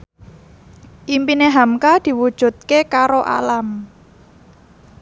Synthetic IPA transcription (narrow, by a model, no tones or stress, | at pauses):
ʔimpineɦamkad̪̥i̤wud̥ʒ̥ṳt̪̚kekaɾoʔa̰lam